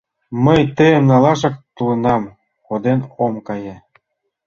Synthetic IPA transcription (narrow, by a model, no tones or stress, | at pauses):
məjt̪ə̆əmnɑlɑʃ̬ɤ̆k̚t̪ulɤ̆nɑm | kod̪enomkɑje